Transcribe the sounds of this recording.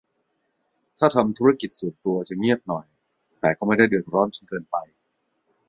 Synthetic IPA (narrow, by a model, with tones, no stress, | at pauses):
t̪ʰaː˥˩t̪ʰa˧mt̪ʰu˦˥ɾa˥˩ki˨˩t̪̚suː˨˩nt̪u˧ɐt͡ɕɯ˧˩ŋi˥˩ət̪̚nɔ˨˩j | t̪ɛː˨˩kɔː˥˩ma˥˩jda˥˩jdɯ˨˩ək̪̚ɾɔː˦˥nt͡ɕʰa˥˩nkɤː˧npa˧j